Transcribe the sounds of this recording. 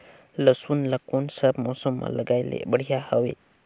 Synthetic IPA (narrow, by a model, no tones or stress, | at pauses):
ləsunləkunsəbmosəmːã̰ləɡajlḛbəɽ̤ijahəwḛ